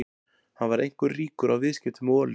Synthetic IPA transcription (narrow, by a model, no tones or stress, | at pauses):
hanvaɾḛjŋ̥kʏɾriːkʏɾawvɪðscɛt̪ʏmɔːl